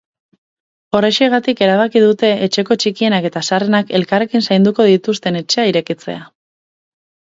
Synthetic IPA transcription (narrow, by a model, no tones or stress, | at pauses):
o̞reʃieɣ̞at̪ike̞ɾaβ̞akiðut̪e̞ːt͡ʃe̞ko̞t͡ʃikie̞nake̞t̪asare̞nake̞lkare̞kinsajnd̪uko̞ð̞it̪ust̪e̞ne̞t͡ʃe̞aiɾe̞kit͡se̞̰a